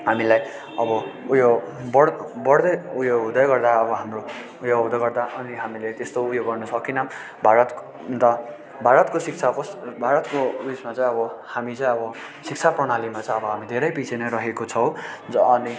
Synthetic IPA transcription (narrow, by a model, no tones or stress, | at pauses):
ɦhamilaj | ʌbʌujoɡbʌɽbʌɽd̪ʌjujoɡɦud̪ʌjɡʌrd̪aʌbʌɦamro | ujoɡɦud̪ʌɡʌrd̪aʔʌniɦamilet̪est̪oupjoɡɡʌrnʌsʌkinʌ | bʱaɾʌt̪ | nt̪ʌ | bʱaɾʌt̪kosik̚t͡sʰakʌsbʱaɾʌt̪koismat͡saj̃ʌbʌhamit͡saj̃ʌbʌ | sik̚t͡sʰaprʌɽalimat͡saj̃ʌbʌɦamid̪ʱeɾʌjpit͡sʰenʌjɾʌɦekot͡sʰʌwd͡zːni